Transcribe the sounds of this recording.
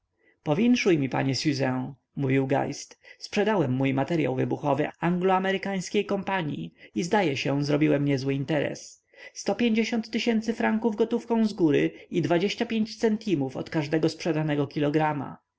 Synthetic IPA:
pɔvʲjɛŋʂujmʲipa̰ɲɛsʲuzɛ̃ | muvʲiwɡa̰jst̪spʂɛd̪awɛmːujmat̪ɛɾja̰wvɘbuxɔvɘaŋɡlɔamɛɾɘkaj̃skʲejkɔmpaɲḭizd̪ajɛɕɛzɾɔbʲiwɛmɲɛzwɘint̪ɛɾɛ̰s | st̪ɔpʲjeɲd͡ʑeɕɔnt̪ːɘɕɛnt̪sɘfɾaŋkuvɡɔt̪ufkɔ̃w̃zɡuɾɘid̪vad͡ʑeɕt͡ɕapʲjeɲt͡ɕt̪sɛnt̪ʰimufɔ̰t̪kaʐd̪ɛɡɔspʂɛd̪anɛɡɔkʲilɔɡɾama̰

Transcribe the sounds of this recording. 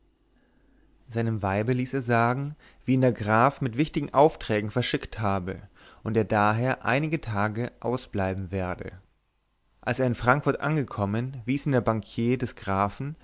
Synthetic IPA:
zaɪnəmvaɪbəliːseːɐzaːɡŋ̩ | v̥iːiːndeːɐɡʁaːfmɪtv̥ɪçtɪɡŋ̩ʔaʊftʁ̥ɛːɡŋ̩fɛɐʃɪkthaːbə | ʔʊnteːɐdaːɦeːɐʔa̰ɪnɪɡətʰaːɡəʔaʊsb̥laɪbm̩veːɐdə̰ | ʔalseːɐɪnfʁ̥aŋkfʊɐtʔa̰nɡəkʰɔmənviːsɪndeːɐbaŋkʰjeːdɛsɡ̥ʁaːfn̩

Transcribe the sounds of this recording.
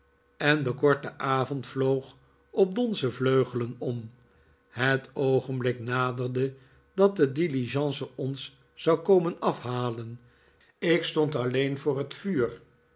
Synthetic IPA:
ɛndəkɔɹtəʔaːvɔntflowχ | ɔp̚dɔnzəvløɥχələnɔm | ɦətowχənblɪknaːdərdə | dɑt̚dədiliʒɑ̃nsəɔns | z̥ɑwkowmənɑfhaːlən | ɪkstɔntɑlejnvʊːrɦətfyːɹ

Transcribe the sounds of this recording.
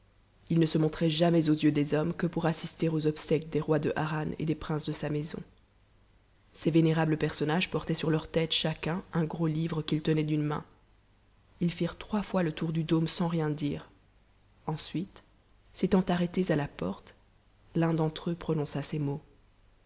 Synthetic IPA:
ilnəsəmɔ̃t̪χɛʒamɛzozjød̪ezɔmkəpuʁasist̪eʁozɔbsɛkd̪eʁwad̪əʔaʁanḛd̪epχɛ̃sd̪əsamezɔ̰̃ | sɛveneʁabləpɛʁsɔnaʒpɔʁt̪ɛsyʁlœʁt̪ɛt̪ʃakʲɛ̃ɛ̃ɡʁolivʁəkʲilt̪ənɛd̪ynmɛ̰̃ | ilfiʁt̪χwafwalət̪uʁd̪yd̪omsɑ̃ʁjɛ̃d̪iːʁ | ɑ̃sɥit̪ | set̪ɑ̃t̪aʁɛt̪ezalapɔʁt̪ | lɛ̃d̪ɑ̃t̪χøpχɔnɔ̃sasɛmo

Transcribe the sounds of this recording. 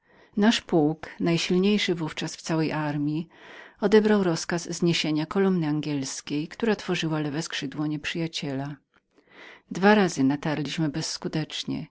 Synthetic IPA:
naʂpuwknajɕilɲejʂɘvuft͡ʂasft̪sawɛjʔaɾmʲiɔd̪ɛbɾawɾɔskazzɲeɕeɲakɔlumnɘaŋɡʲɛlskʲejkt̪uɾat̪fɔʐɘwalɛvɛskʂɘd̪wɔɲɛpʂɘjat͡ɕɛla | d̪vaɾazɘnat̪aɾlʲiɕmɘbɛsːkut̪ɛt͡ʂɲɛ̰

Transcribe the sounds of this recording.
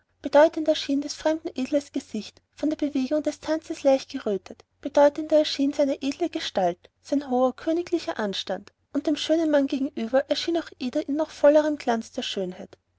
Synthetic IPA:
b̥ed̥ɔʏtəndɛɐʃiːndɛsfʁ̥ɛmdn̩ʔeːdləsɡ̥ezɪçt | fɔndeːɐbeveːɡʊŋdɛstʰant͡səslaɪçt̚ɡ̥əʁøːtʰət | b̥edɔʏtəndɐɛɐʃiːnzaɪnəʔeːdləɡəʃtaltsaɪnɦoːɐkʰøːnɪklɪçɐʔanʃtand | ʔʊnt̚d̥eːmʃøːnənmanɡeːɡŋ̩ʔyːbɐʔɛɐʃiːnaʊxʔeːdɐʔɪnːɔχfɔləʁəmɡlant͡sd̥eːɐʃøːnhaɪt

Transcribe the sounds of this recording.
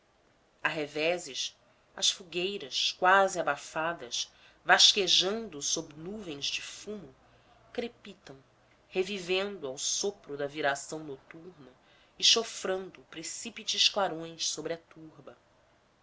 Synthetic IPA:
aɦevɛzɪʃ | ɐʃfuɡejɾɐʃkwaziabafad̪ɐʃ | vaʃkeʒɐ̃nd̪ʊsobnuvẽj̃zd͡ʒɪfumʊ | kɾepit̪ɐ̃w̃ | hevivẽnd̪ʊawsopɾʊd̪ɐviɾasɐ̃w̃not̪uɾnɐ | iʃofɾɐ̃nd̪ʊpɾesipit͡ʃɪʃklaɾõj̃ssobɾɪɐt̪uɾbɐ

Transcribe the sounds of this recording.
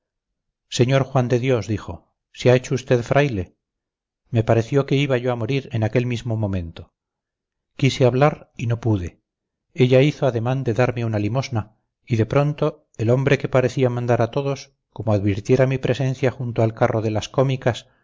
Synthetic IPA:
se̞ɲo̞ɾxwand̪e̞ðjo̞zðixo̞ | seae̞t͡ʃo̞ust̪e̞ðfɾʔajle̞ | me̞paɾe̞θjo̞ke̞iβaʝo̞amo̞ɾiɾenake̞lmizmomõ̞mẽ̞nt̪o | kiseaβlaɾino̞puðe̞ | e̞ʎaiθoaðe̞mãnd̪e̞ðaɾmeunalimo̞zna | iðe̞pɾo̞nt̪o̞ | e̞lo̞mbɾe̞ke̞paɾe̞θiamãnd̪aɾat̪o̞ðo̞s | ko̞moaðβiɾt̪je̞ɾamipɾʔe̞sẽ̞n̟θjaxunt̪oalkarʔo̞ðe̞lasko̞mikas

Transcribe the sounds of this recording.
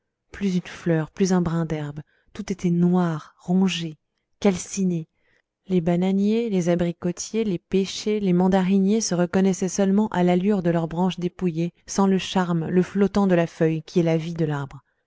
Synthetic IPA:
plyzynflœʁplyzɛ̃bʁɛ̃d̪ɛʁb | t̪ut̪et̪ɛnwaʁʁɔ̃ʒe | kalsine | lebananjelezabʁikɔt̪jelepeʃelemɑ̃d̪aʁinjesəʁəkɔnɛsɛsœlmɑ̃ʔalalyʁd̪əlœʁbʁɑ̃ʃd̪epujesɑ̃ləʃaʁmləflɔt̪ɑ̃d̪əlafœjkʲiɛlavid̪əlaʁbʁ

